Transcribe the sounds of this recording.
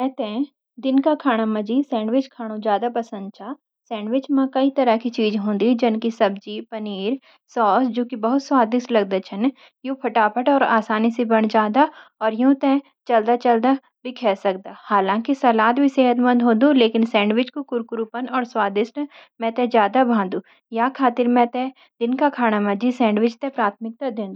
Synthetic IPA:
mɛ̃t̪ɛ̃ː | d̪ɪnkakʰaːɽ̃amɐd͡ʒisɛ̃ːɳɖʋɪt͡ʃkʰaːɽ̃õd͡ʒjaːd̪apɐsə̃nd̪̚t͡ʃʰa | sɛ̃ːɳɖʋɪt͡ʃmãkɐit̪ɐɾakit͡ʃiːd͡ʒɦõːnd̪id͡ʒɐnkisɐbd͡ʒipɐniːɾ | sɔːsd͡ʒoːkibɐɦʊt̪swaːd̪ɪʃʈlɐɡ̚d̪at͡ʃʰɐn | jõːpʰɐʈaːpʰəʈɔːɾa̰ːsaːnisebɐɽ̃d͡ʒaːd̪aɔːɾjõt̪ɛ̃ | t͡ʃɐld̪at͡ʃɐld̪a | bʱikʰɛːsɐk̚d̪aːhaːlãːkisɐlaːt̪bʱiseːɦət̪mɐ̃nd̪ɦõːd̪uleːkɪnsɛ̃ːɳɖʋɪt͡ʃkokʊɾkʊɾupənɔːɾswaːd̪ɪʃʈmɛ̃t̪ɛ̃d͡ʒjaːd̪abʱãːnd̪ũː | jaːkʰaːt̪ɪɾmɛ̃t̪ɛ̃ | d̪̥ɪnkakʰaːɽ̃amɐ̃d͡ʒʱisɛ̃ːɳɖʋɪt͡ʃt̪ɛ̃pɾaːt̪ʰmɪk̚t̪ad̪ɪ̃nd̪

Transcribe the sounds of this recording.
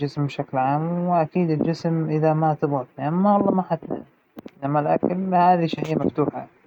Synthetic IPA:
d͡ʒɪsmbʃaklʕaːmwɪʔakiːd̪ɪld͡ʒɪsmʔɪðamat̪ɪbɣɑt̪niʔamːawɑlˤːɑːmaħat̪la̰ | ʔɪnːamːalʔa̰klhaːðiʃaħijːamaft̪uːħa̰

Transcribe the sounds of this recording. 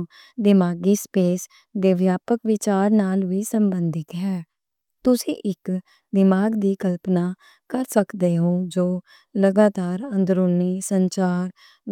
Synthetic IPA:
d̪ɪmaːɡiːspeːs | d̪eːʋjaːpəkʋɪt͡ʃaːɾnaːlʋiːsəmbənd̪ɪt̪ɦɛː | t̪ʊsḭ̃ːʔɪk | d̪ɪmaːɡd̪iːkəlpnaː | kəɾsəkd̪eːɦõːd͡ʒoː | ləɡaːt̪aːɾə̃nd̪ɾʊlniːsəɲt͡ʃaːɾ

